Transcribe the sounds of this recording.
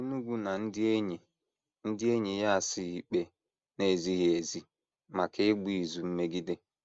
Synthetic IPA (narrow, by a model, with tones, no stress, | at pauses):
u˦nu˦ɡʷu˦na˨n̩˦dɪ˦e˦ɲe˨ | n̩˦dɪ˦e˦ɲe˨ja˦a˨sɪ˦i˨k͡pe˦ | ne˨zi˦ɣi˨e˨zi˦ | ma˨kɪ˦ɡ͡bu˦i˨zu˨m̩˦me˦ɡi˦dɪ˦